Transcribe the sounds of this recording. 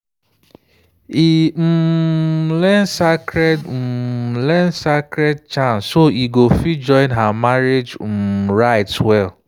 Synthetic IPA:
im̩ | lɛnsakɾɛdm̩lɛnsakɾɛd̚t͡ʃãnsːoiɡofid͡ʒɔ̃ɪ̃nɦamaɾed͡ʒ̩ɹaɪtwɛl

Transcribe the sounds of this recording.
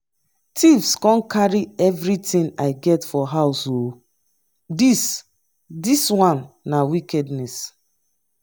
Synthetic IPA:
tʰifskɔ̃nkʰaɹiɛvɹitĩnaɪɡɛtfɔɦaʊso | dis | diswãnːawikɛdnɛs

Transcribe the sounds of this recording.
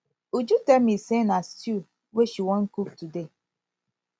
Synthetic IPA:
ud͡ʒutemisenastu | weʃiwɔn̩kuk̚tude

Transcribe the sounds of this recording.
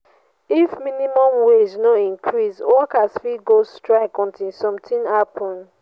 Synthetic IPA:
ifmĩnimɔ̃mwesnoĩŋkʰɹiswɔkasfiɡostɹaɪkɔ̃ntĩsɔ̃mtʰĩnapʰɔ̃n

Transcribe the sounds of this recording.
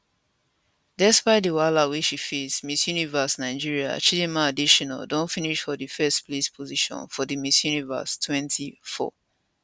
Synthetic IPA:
dɛspaɪt̚dəwalawiʃifismisjunivəsnaɪd͡ʒiɹia̰t͡ʃilimãadiʃɔna̰ldõntfiniʃfɔdəfɛspʰlespʰɔziʃɔ̰̃nfɔdəmisjunivə̰stʰwɛ̃ntʰifɔ̰

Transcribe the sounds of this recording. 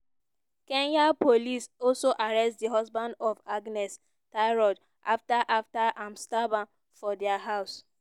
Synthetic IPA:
kenjapolisɔlsoʔaɾɛstdiɦɔzbãndɔfaɡnɛs | taɪɾɔd | a̰ftaʔaftaʔãmstabã | fɔdɛaɦaʊs

